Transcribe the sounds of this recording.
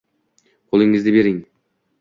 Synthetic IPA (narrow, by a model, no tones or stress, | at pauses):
qʰolˠɪŋɪzd̪ɪbe̞ɾɪŋ